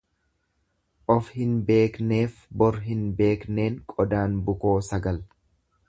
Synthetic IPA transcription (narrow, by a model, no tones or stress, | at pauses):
ʔɔfhɪnbe̞ːkne̞ːfbɔɾɦɪnbe̞ːkne̞ːŋkʼɔd̪aːnbʊko̞ːsɐɡɐl